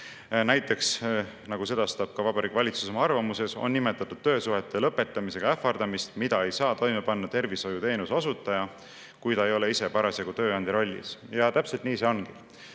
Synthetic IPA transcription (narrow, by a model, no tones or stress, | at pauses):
næjt̪ːˑe̞ks | nɑɡ̥use̞d̪̥ɑst̪ɑb̥̚kɑvɑbɑɾikvɑlʲit̪su̥somɑɑrvɑmuse̞so̞̰nːime̞t̪ːˑɑt̪ːˑud̪̥̚t̪ːø̞ːsuɦe̞t̪ːˑe̞lɤpːe̞t̪ːˑɑmise̞ɡ̥ɑefˑɑrd̪̥ɑmist̪mid̪ɑe̞jsɑːt̪o̞jme̞pɑnːɑt̪e̞rviso̞jut̪e̞ːnusɑsut̪ːˑɑjɑ | kujt̪ɑejo̞le̞ise̞pɑɾɑseɡut̪ø̞ːɑnd̪iɾo̞lʲːḭsjɑt̪æpselt̪niːse̞o̞nki